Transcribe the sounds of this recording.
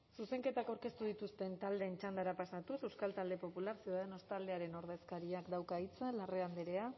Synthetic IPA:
suse̞ŋke̞t̪akawɾke̞st̪uð̞it̪ust̪ent̪ald̪e̞ːnt͡ʃand̪aɾapasat̪usewskalt̪ald̪e̞po̞pulaɾsjuðaðeno̞st̪ald̪e̞aɾe̞no̞ɾð̞e̞skaɾiakd̪awkait͡salare̞and̪eɾe̞a

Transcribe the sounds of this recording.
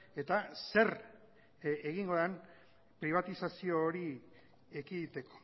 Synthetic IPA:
e̞t̪ase̞ɾ | eɣiŋɡo̞ðen | pɾiβ̞at̪isasio̞ːɾi | ekiðit̪e̞ko̥

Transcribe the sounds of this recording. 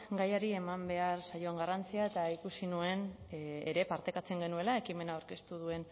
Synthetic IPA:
ɡajaɾie̞mambe̞aɾsajo̞eŋɡarant͡siae̞t̪aikusinue̞neɾe̞paɾt̪e̞kat͡se̞ŋɡe̞nue̞lae̞kime̞naowɾke̞st̪uð̞ue̞n

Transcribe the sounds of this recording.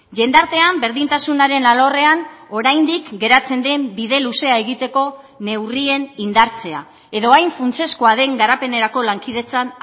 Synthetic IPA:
ʝe̞nd̪aɾt̪e̞ambe̞ɾðint̪asunaɾe̞nalo̞re̞ano̞ɾajnd̪ikɡe̞ɾat͡se̞nd̪e̞mbiðe̞luse̞ae̞ɣit̪e̞ko̞ | ne̞wrie̞nind̪aɾt͡se̞a̰ | e̞ðo̞ajɱfunt͡se̞skoaðe̞ŋɡaɾape̞ne̞ɾako̞laŋkið̞e̞t͡san

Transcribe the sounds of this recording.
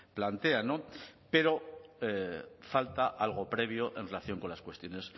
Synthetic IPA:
plant̪e̞ano̞pe̞ɾo̞efalt̪aʔalɣ̞o̞pɾe̞β̞jo̞ʔe̞nre̞laθjo̞ŋko̞nlaskwest̪jo̞nes

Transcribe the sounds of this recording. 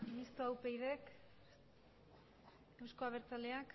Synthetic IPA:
mist̪oawpejðe̞k | ewsko̞aβ̞e̞ɾt͡sale̞ak

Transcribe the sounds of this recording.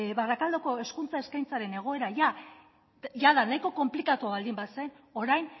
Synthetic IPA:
βarakald̪o̞ko̞e̞skunt͡sae̞skajnt͡saɾe̞ne̞ɣ̞oe̞ɾaʝa | ʝaðanajko̞ko̞mplikat̪uaβald̪imbase̞n | o̞ɾajn

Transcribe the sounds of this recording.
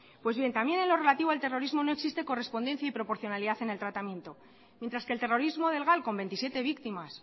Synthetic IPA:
pwe̞zβje̞nt̪amje̞ne̞nlo̞re̞lat̪iβoalt̪e̞ro̞ɾizmo̞no̞e̞ksist̪e̞ko̞re̞spo̞nd̪e̞n̟θjaipɾo̞po̞ɾθjo̞naliðaθe̞ne̞lt̪ɾat̪amje̞nt̪o̞ | mjent̪ɾaskelt̪e̞ro̞ɾizmo̞ð̞e̞lɣalko̞mbe̞nt̪isje̞t̪e̞βikt̪imas

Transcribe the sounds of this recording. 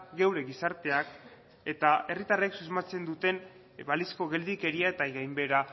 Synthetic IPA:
ɡewɾe̞ɣisaɾt̪e̞ak | e̞t̪ae̞rit̪areeksuzmat͡se̞nd̪ut̪e̞n | balisko̞ɣe̞ld̪ike̞ɾiae̞t̪ajɣajmbe̞ɾa

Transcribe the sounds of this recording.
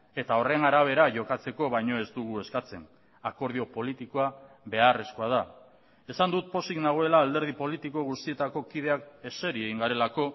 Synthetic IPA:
e̞t̪ao̞re̞naɾaβ̞e̞ɾaʝo̞kat͡se̞ko̞βajɲo̞e̞zd̪uɣ̞ue̞skat͡se̞n | ako̞ɾðio̞po̞lit̪iko̞a | βe̞are̞sko̞að̞a | e̞sand̪ut̪̚po̞siknaɣ̞oe̞laːld̪e̞ɾð̞ipo̞lit̪iko̞ɣust̪ie̞t̪ako̞kið̞e̞ake̞se̞ɾieɣiŋɡaɾe̞lako̞

